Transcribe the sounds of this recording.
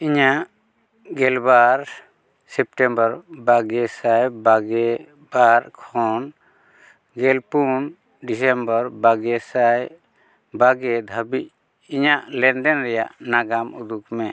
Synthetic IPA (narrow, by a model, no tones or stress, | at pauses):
iɲaʔ | ɡɛlbaɾ | sɛp̚ʈɛmbəɾbaɡɛsajbaɡɛ | baɾkʰɔn | ɡɛlpun | ɖis̬ɛmbəɾbaɡɛsaj | baɡɛd̪ʱabic̚ | iɲaʔlɛnɖɛnɾɛja̰ʔnaɡamud̪ukmɛ